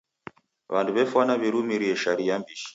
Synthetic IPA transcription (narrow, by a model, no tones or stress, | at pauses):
βanduβɛfwanaβiɾumiɾiɛʃaɾijambiʃi̥